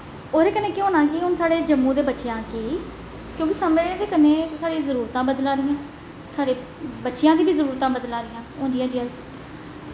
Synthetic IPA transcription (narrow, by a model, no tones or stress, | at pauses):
oːɾeːkəneːkeɦoːnãːkɪɦʊnsaːɽeːd͡ʒəmːũːd̪eːbətːʃjãːkiː | kjõːkisəmed̪eːkəneːsaːɽĩːzəɾuːɾt̪ãːbəd̪lãːɾɪjãː | saːɽeː | bətːʃɪjãːd̪iːbiːzəɾuːɾt̪ãːbəd̪lãːɾɪjãːɦõːnd͡ʒɪjãːd͡ʒɪjãː